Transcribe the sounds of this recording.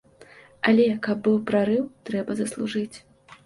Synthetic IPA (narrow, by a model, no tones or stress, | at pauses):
alʲɛkɐbːɨwpɾaɾɨwt̪ɾɛbɐzɐslˠuʐɨt͡sʲ